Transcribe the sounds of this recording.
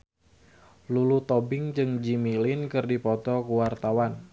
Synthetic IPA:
lulut̪ɔbɪŋd͡ʒɨŋd͡ʒimilɪnkɨrdipɔt̪ɔkuwart̪awan

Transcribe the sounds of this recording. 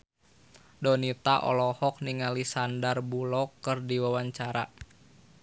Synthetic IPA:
dɔnit̪aʔɔ̰lɔhɔk̚niŋalisandarbulɔkɨrdiwawaɲt͡ʃaɾa̰

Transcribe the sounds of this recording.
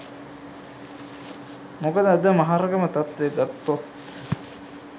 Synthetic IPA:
mokəd̪əad̪əmaɦaɾɐɡəmət̪at̪ʋeɡat̪ːot̪

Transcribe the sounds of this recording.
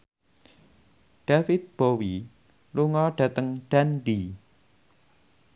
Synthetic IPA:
ɖ̥afɪt̪̚b̥owi | luŋɔɖ̥a̤t̪əŋɖ̥anɖi

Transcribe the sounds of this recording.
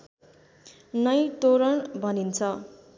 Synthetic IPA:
nʌjt̪oɾʌnbʱʌnint͡sʰʌ

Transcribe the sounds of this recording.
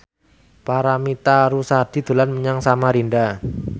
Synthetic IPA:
paɾamit̪aɾusad̪̥i̤d̪̥ṳlanməɲaŋsamaɾinda

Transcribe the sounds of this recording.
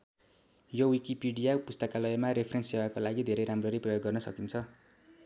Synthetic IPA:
jowikipiɖijapust̪ʌkalʌjʌmaɾepʰrensewakolaɡid̪ʱeɾejɾamroɾijprʌjoɡːʌrnʌsʌ̰kint͡sʰʌ

